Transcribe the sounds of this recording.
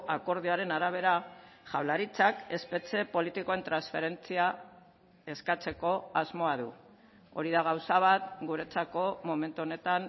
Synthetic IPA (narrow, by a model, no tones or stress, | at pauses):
ako̞ɾð̞ioaɾe̞naɾaβ̞e̞ɾaʝawlaɾit͡sake̞spe̞t͡se̞po̞lit̪iko̞e̞nt̪ɾansfe̞ɾe̞nt͡sia | e̞skat͡se̞ko̞azmo̞aðu | o̞̰ɾiðaɣ̞awsaβ̞at̪̚ɡuɾe̞t͡sako̞momẽ̞nt̪uo̞ne̞t̪an